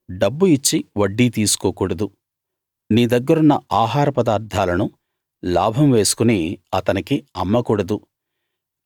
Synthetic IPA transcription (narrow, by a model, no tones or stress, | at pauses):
ɖɐbːuit͡ʃːiʋɐɖːiːt̪iːsu̥koːkuːɽɐd̪u | niːd̪ɐɡːɐɾunːɐʔaːɦaːɾɐpɐd̪aːɾd̪ʱaːlɐnu | la̰ːbʱɐmʋe̞ːsu̥kuniːɐt̪ɐnikiɐmːɐkuːɽɐd̪u